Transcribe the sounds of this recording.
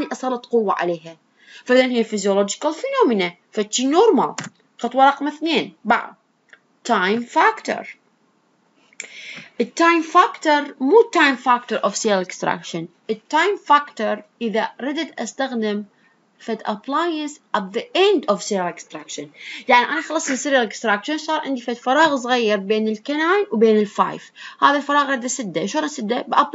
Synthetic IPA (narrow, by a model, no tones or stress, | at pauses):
niʔɑsˤɑlˤɑt̪qʊwːaʕa̰leːɦa | faðɪnhiːafɪzjolɔːd͡ʒɪ̥kalfɪnoːmɪna | fat͡ʃːinoːɾˤma̰l | xɑt̪ˤwɑɾˤɑqmaθneːnba̰ʕ̰d̪ | t̪ːajmfakt̪ə̰ɾ | ʔɪt̪ːajmfakt̪əɾmuːt̪ːajmfakt̪əɾˤʔɔfselɪkst̪ɾa̰kʃənʔɪt̪ːaːjmfaːkt̪oɾˤʔɪːðaɾɪd̪ɪd̪ʔast̪aɣd̪ɪm | fat̪ʔaplaːjansʔat̪ðiʔɛnd̪ɔfselɪkst̪ɾakʃɪnjaʕniʔanaxɑlɑsˤlisɪɾjalɪkst̪ɾakʃansˤɑːɾˤʕɪ̰nd̪ifat̪fɑɾˤɑːɣs̬ˤɣajːɪɾˤbeːnɪlkanaːjwbeːnɪlfa̰ːjfhaːðalfɑɾˤɑːɣɾˤɪd̪asɪd̪ːaʃoɾˤasɪd̪ːabʔap